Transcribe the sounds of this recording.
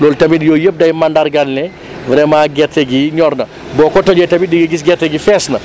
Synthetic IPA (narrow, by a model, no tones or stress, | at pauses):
lɔːltɐmidjɔːjəp̚dɐjmandarɡalːɛ | vɐɾɛmaːɡɛtːɛɡiɲɔrnɐ | bɔːkɔtɔd͡ʒɛtɐmidiɡiɡis̬ɡɛrtɛɡifɛsnɐ